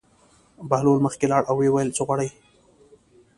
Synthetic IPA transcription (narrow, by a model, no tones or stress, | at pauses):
bahlolməxkelɑɽʔawːewajəlt͡səɣwaɽaj